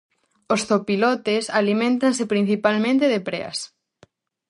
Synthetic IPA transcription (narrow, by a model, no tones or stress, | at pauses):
osθopilɔt̪esalimẽnt̪ansepɾĩn̟θipalmẽnt̪eðepɾḛɐ̰s